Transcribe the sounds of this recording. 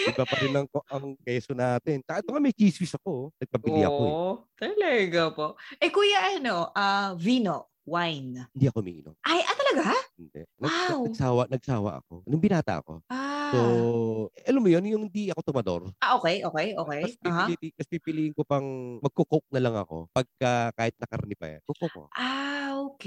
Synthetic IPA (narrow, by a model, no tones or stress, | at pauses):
ɐbapɐɾɪnɐŋoɐŋkɛːsonaːt̪ɛnkaʔɛt̪oŋamɐjt͡ʃiswisɐko̞nɐɡ̚pɐbɪlḭɐ̰kot̪ɐlɛɡɐpoʔʔɛkuːjɐʔɐno̞ʔavinoʔ | wajnɪnd̪iɐkomḭʔḭno̰mʔajʔɐt̪ɐlɐɡaɪnd̪ɛ̰nɐawɐsaːwɐnɐɡ̚saːwɐ̰ʔɐ̰ko̞̰nʊŋbɪnaːt̪ɐ̰ʔɐ̰ko̞̰ʔaso | ʔɐlɐmːʊjonjʊŋhɪnd̪iɐko̞t̪omɐd̪o̞̰ɾʔaʔoːkɛjʔoːkɛjʔoːkɛjɐspihait̪ikɐspiːpɪliːʔɪŋkopɐŋmɐɡ̚kokok̚nɐlɐŋɐ̰ko̞̰pɐɡ̚kɐkaːhɪt̪̚nɐkɐ̰ɾnipɐ̰ja̰nkokoko̰ʔaokɛ